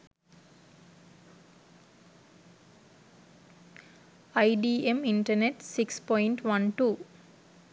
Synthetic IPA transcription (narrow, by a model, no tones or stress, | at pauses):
aɪɖiːemiɳʈɐɾneʈsikspɔɪɳʈʋɐ̃nʈuː